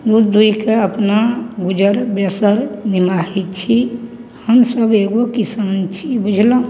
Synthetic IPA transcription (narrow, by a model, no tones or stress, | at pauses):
d̪ud̪d̪uikeəpnaɡud͡ʒəɾbjəsəɾnimaɦitt͡ʃʰi | həmsəbeɡokisant͡ʃʰibud͡ʒʱlo